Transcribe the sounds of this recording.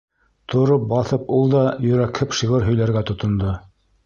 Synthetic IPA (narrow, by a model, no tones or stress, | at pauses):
t̪ʰŏɾop̚bɑθɤpulˠd̪ɑjɵ̆ɾækʰɘpʃiʁɤɾɦɵ̆jlæɾɡæt̪ŏt̪ŏnd̪o